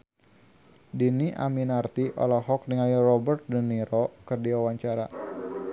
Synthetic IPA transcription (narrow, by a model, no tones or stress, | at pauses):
diniʔa̰minart̪iʔɔ̰laɦɔk̚niŋajrɔbərt̪̚dəniɾɔkərdiwawaɲt͡ʃaɾa